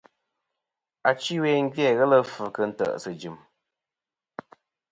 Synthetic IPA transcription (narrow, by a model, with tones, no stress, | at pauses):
a˨t͡ʃi˦we˦ŋ̩˦ɡjɛ˦˨ɣɛ˦lə˦fə˨kə˦n̩˦tə̰˨ʔsə˨d͡ʒɨ˨m